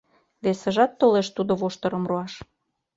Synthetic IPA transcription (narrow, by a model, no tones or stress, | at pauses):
βesə̆ʒɑt̪ːoleʃt̪ud̪oβoʃt̪ɤ̆ɾɤ̆mroɑʃ